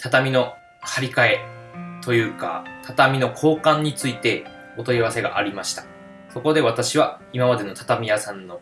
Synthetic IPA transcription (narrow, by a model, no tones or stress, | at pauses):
t̪ʰat̪amʲino̞ | haɾʲikae̞ | t̪o̞jɯ̟ːka̰t̪ʰat̪amʲino̞kʰo̞ːkãɲ̟ːit͡sɨit̪e̞ | ot̪o̞iβase̞ɡa̰ʔaɾʲimaɕi̥t̪ḁ | so̞ko̞d̪e̞β̞at̪aɕiβa | imamad̪e̞no̞t̪ḁt̪amʲijasãnːo̞